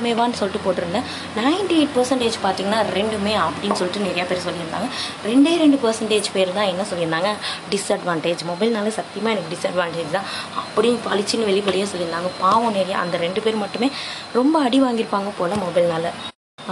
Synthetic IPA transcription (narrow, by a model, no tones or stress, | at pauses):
meːʋaːnːɯsɔlːɪʈːɯpoːʈːɯɾɯnːɐ | nɐɪɳʈieɪʈ̚pɐɾsɐɳʈeːd͡ʒpaːɾt̪iːŋɡɐnːaːɾɛɳɖɯmeːɐpːɐɽɪnːɯsɔlːɪʈːɯnɛɾɐjaːpeːɾsɔlːɪɾɯnd̪a̰ːŋɡɐ | ɾɛɳɖeːɾɛɳɖɯpɐɾsɐɳʈeːd͡ʒpeːɪɾt̪ãːɛnːɐsɔlːɪɾɯnd̪aːŋɡɐɖɪsɐɖʋaːɳʈeːd͡ʒmɔbɐɪlnaːlɐsɐt̪ːɪjɐmaːɛnɐkːɯɖɪsɐɖʋaːɳʈeːd͡ʒt̪ãːɐpːɐɽɪnpɐlɪt͡ʃːɪnːɯʋɛɭɪpɐɽɪjeːsɔlːɪɾɯnd̪aːŋɡɐpaːʋɐ̃nɛɾɐjaɐ̰nd̪ɐɾɛɳɖɯpeːɾmɐʈːɯmeː | ɾɔmbɐɐɽiʋaːŋɡɪɾɯpːaːŋɡɐpoːlɐmɔbɐɪlnaːlɐ